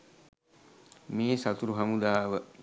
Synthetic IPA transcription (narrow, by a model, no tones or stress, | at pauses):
meːsat̪uɾuɦamud̪aːʋə